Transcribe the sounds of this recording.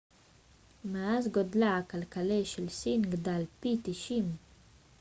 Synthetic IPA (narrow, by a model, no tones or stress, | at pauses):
maazɡod̪laakalkaleʃelsinɡd̪alpit̪iʃim